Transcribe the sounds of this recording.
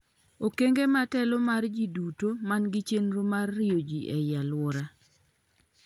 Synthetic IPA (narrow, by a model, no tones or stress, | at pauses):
okeŋɡematɛlomard͡ʒidutomanɡɪt͡ʃenɾomarːɪjod͡ʒiʔɛjalwɔɾa